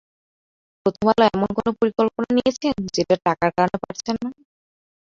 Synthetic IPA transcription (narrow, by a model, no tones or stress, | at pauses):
pɾot̪ʰomalaɛmonkonopoɾikolponanijet͡ɕʰend͡ʑeʈaʈakaɾkaɾonepaʈt͡ɕʰenːa